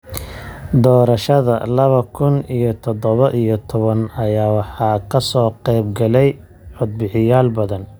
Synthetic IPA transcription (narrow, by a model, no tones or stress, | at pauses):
d̪ɔːɾɐʃɐðɐ̰lɐβɐkʰʊnijɔt̪ʰɔd̪ɔβɐʔijɞt̪ʰɔβɐnɐjaːwɑħɑːkʰɐsɔːqɛjb̚ɡɐlɛj | ʕʊd̪̚bɪħɪjaːlbɐðɐn